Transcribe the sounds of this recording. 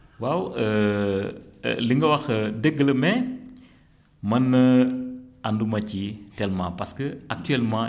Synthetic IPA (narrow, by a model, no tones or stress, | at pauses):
wawə | liŋɡəwɐxədəɡːələmɛ | mɐnːɐ | andumɐcitɛlmãːpɐskəɐk̚tyɛlmãː